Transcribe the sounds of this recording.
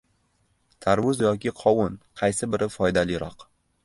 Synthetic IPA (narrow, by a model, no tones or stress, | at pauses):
t̪ʰaɾwʊzjɒkʲɪqʰɒwʊnqʰɑjsɪbɪɾʔɪfɒjd̪alɪɾɒq